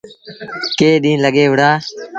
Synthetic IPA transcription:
keːɗĩːnləɠeːʋəɽaː

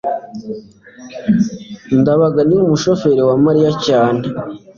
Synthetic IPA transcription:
ndaβaɡaniumuʃo̞fe̞ɾewamaɾijacaːne

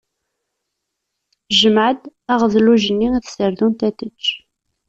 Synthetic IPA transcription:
ʒəmʕəd̪æʁðluʒənːiiθsəɾðunt̪æθət͡ʃː

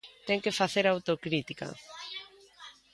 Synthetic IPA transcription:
t̪ɛŋkefaθeɾawt̪okɾit̪ikɐ̰

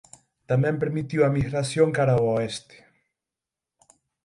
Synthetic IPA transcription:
t̪amempeɾmit̪iuwamisɾasjoŋkaɾawoest̪e̥

